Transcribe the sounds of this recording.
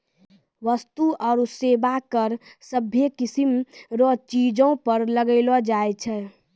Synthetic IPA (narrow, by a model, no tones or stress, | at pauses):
ʋəst̪uɔːɾusebakəɾsəbʱekisimɾɔt͡ʃid͡ʒõpəɾləɡəɪlɔd͡ʒaɛt͡ʃʰɛ